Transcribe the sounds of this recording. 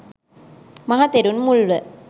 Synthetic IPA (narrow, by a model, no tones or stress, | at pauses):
mɐɦaːt̪ːeɾunmʊɭʋɐ